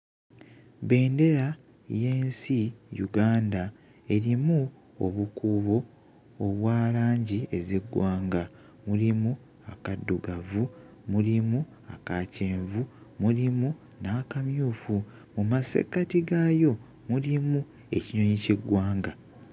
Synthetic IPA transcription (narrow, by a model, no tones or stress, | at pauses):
βe̞ːnde̞ɾa | je̞ːnsijṵɡaːnda | e̞ɾimu | o̰βukuβo̞ː | βwaːlaːɲɟie̞ziɡwaːŋɡa | mulimu | akadːuɡavu | mulimu | akaceːɱvumulimu | naːkamjuːfu | mumase̞̰katiɡajo̞ | mulimu | e̞̰ciɲoɲiceɡwaːŋɡa